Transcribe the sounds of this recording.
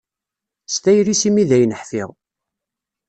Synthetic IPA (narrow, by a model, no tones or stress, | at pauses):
st̪æjɾisimiðæjnəħfɪ̰ʁ